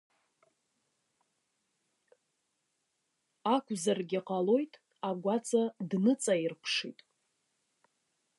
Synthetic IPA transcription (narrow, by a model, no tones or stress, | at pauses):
akʷʰʼzarɡʲɪqʼalo̞jtʼ | aɡʷat͡sʼadnɨt͡sʼairpʷʰʂḭtʼ